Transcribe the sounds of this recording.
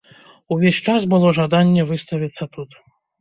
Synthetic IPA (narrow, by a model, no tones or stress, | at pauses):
uvʲesʲt͡ʂasbɨlˠɔʐad̪anʲːɛvɨst̪ɐvʲit̪sːɐt̪ut̪